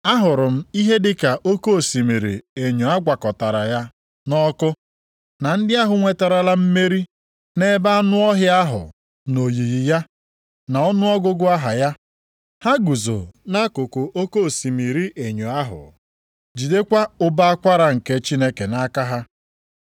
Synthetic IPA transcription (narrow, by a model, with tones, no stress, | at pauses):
a˦ɦʊ˨ɾʊ˨m̩˦i˦ɦe˦dɪ˦ka˨ʔo˦ko˦˨si˨mi˨ɾḭ˨e˨ɲo˨a˦ɡʷa˨kɔ˨ta˨ɾa˨ja˦ | nɔ˦kʊ˦ | na˨n̩˦dɪ˦a˦ɦʊ˨ŋʷe˨ta˨ɾa˨la˦m̩˦me˦ɾi˦ | ne˦ba˦nʊ˦ɔ˦ɦja˦a˦ɦʊ̰˨ | no˨ji˨ɣi˨ja˦ | na˨ɔ˦nʊ˦ɔ˦ɡʊ˦ɡʊ˦a˦ɦa˨ja˦ | ha˦ɡu˨zo̰˨na˦kʊ˨kʊ˨ʔo˦ko˦˨si˨mi˨ɾi˦ʔe˨ɲo˨a˦ɦʊ̰˨ | d͡ʒi˨de˦kʷa˦ʊ˦ba˦a˦kʷa˦ɾa˨ŋ̩˨ke˦t͡ʃi˦ne˦ke˨na˦ka˦ɦa˦